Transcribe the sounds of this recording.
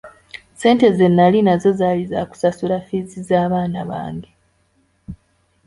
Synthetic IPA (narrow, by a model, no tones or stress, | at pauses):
se̞ːnte̞ze̞nːalinazo̞zaliza̰ku̥sasulafizizaːβaːnaβa̰ːŋɡe